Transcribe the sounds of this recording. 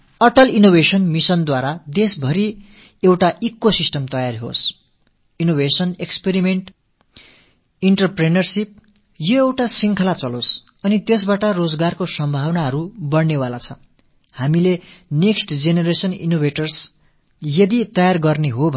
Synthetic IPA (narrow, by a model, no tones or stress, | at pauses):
ʌʈʌlinobʱesʌnmisʌnd̪waɾad̪esbʱʌɾi | ewʈaʔikːosisʈʌmt̪ʌjarɦo̰s | inobʱesʌnekspeɾimeɳʈ | iɳʈʌrprenʌrsip̚ | jʌewʈasiŋkʰʌlat͡sʌlos | ʌnit̪es̬baʈʌrod͡zɡarkosʌmbʱawnaɦʌɾubʌɽnewalat͡sʰʌ | hamileneksʈd͡zeneɾesʌnḭnobʱeʈʌrs | jʌd̪it̪ʌjarɡʌrneɦobʱ